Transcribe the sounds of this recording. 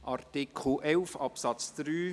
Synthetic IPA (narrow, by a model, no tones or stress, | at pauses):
ʔɑrtikʰχl̩ʔɛlfɑpsɑt͡sd̪̥ɾyː